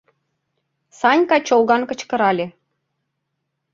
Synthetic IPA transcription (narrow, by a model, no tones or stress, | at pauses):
sɑnʲkɑt͡ɕolˠɣɑnkə̆t͡ɕkɤ̆ɾɑlʲĕ